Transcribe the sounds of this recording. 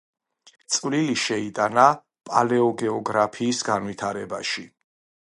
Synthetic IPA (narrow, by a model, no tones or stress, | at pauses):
t̪sʼvliliʃɛit̪ʼana | pʼalɛɔɡɛɔɡɾapʰiːsɡanwit̪ʰaɾɛbaʃi